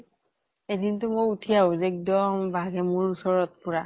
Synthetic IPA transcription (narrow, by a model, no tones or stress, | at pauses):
edintʊmojutʰijaʊzɛɛk̚dɔmbʱaɡɛmʊɹusɔɹɔt̚pʊɹa